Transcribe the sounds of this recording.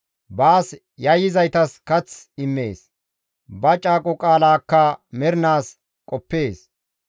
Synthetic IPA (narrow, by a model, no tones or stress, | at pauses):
baːs | jɐjɪzɐjt̪ɐskɐt͡sɪmːe̞̰ːs | bɐt͡ʃʼaːkʼɔkʼaːlaːkːɐmɛɾnaːs | kʼɔpːeːs